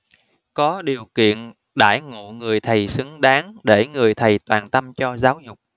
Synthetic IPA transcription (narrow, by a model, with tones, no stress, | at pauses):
kɔ˨˦ɗi˨˩əwkḭ˧˨ən | ɗa̰ː˧˩jŋṵ˧˨ŋɨ˨˩əjt̪ʰə˨˩jsɨ˨˦ŋɗaː˨˦ŋɗe˧˩ŋɨ˨˩əjt̪ʰə˨˩jt̪waː˨˩nt̪ə˧mt͡ɕɔ˧zaː˨˦wzʊ˨˩k͡p̚